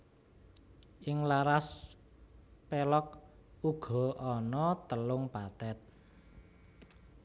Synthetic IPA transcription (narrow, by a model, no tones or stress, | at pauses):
ʔɪŋlaɾas | pelɔk̚uɡ̥ɔ̤ɔnɔt̪əlʊŋpat̪ɛt̪̚